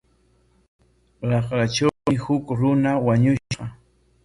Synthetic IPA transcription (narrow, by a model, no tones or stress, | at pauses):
ɾɑχɾat͡ʃawɪhʊkɾʊnawaɲʊɢɑ